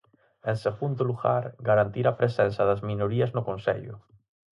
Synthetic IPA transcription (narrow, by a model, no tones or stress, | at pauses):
ẽnseɣund̪ʊluɣaɾɡaɾant̪iɾapɾesɛnsɐðazmĩnoɾiaznʊkõnsḛʎʊ̰